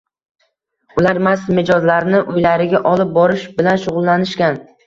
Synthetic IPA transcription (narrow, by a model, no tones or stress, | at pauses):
ʊlaɾmasmɪd͡ʒɒzlaɾnɪʔʊjlaɾɪɡʲaʔɒlɪp̚bɒɾɪʃbɪlanʃʊʁʊlˠːanɪʃkʲan